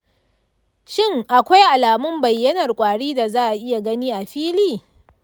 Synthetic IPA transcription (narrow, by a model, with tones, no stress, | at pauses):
ʃɪ˦ŋʔa˨kʷa˦jʔa˨laː˨mʊ˦mbɐ˨jːɐ˦nɐ˨rkʷʼaː˨ɽiː˦da˨zaː˦ʔa˨ʔɪ˦ja˨ɡɐ˦niː˦ʔa˨ɸiː˦liː˦˨